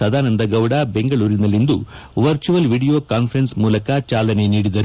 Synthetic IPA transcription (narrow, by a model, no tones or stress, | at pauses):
ɐd̪aːnɐnd̪ɐɡɐwɽabe̞ŋɡɐɭuːɾinɐlːind̪ṵ | ʋɐɾt͡ʃuʋɐlʋiːɽijo̞ːkaːnpʰɐɾensmuːlɐkɐt͡ʃaːlɐne̞niːɽid̪ɐɾu